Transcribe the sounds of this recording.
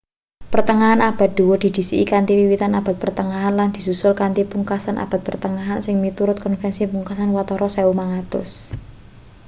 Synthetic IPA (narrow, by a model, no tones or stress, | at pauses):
pərt̪əŋaɦanab̥a̤t̪̚d̪̥uwɔd̥̪i̤d̪̥i̤sḭʔḭkant̪iwiwit̪anab̥a̤t̪̚pərt̪əŋaɦanland̪̥i̤susʊlkant̪ipuŋkasanʔa̰b̥a̤t̪̚pərt̪əŋaɦansɪŋmit̪uɾʊt̪̚kɔnfɛnsipuŋkasanwat̪ɔɾʔɔsɛumaŋat̪ʊ̰s